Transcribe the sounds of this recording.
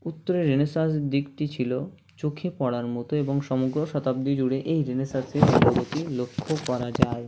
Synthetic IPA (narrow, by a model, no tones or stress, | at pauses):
ut̪ːoɾeɾːenesasd̪ikʈit͡ɕʰilo | t͡ɕokʰepɔɽaɾmɔt̪oeboŋʃɔmoɡɾoʃɔt̪ab̚d̪id͡ʑuɽeʔejɾenesaseɾpɾobot̪ilokʰːokɔɾad͡ʑae